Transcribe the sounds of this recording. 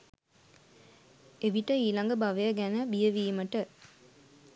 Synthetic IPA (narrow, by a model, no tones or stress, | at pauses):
eʋiʈəiːlɐŋɡɐbɐʋɐjɐɡænəbijəʋiːmɐʈə